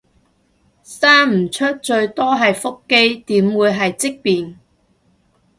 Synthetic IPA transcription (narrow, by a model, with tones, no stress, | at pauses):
saː˥nm̩˨˩t͡ʃʰɵ˥t̚t͡ʃɵ˧ɥt̪ɔː˥ɦɐ˨jfʊ˥kːe˥jt̪iː˨˥mwuː˨˧jɦɐ˨jt͡sɪ˥k̚piː˨n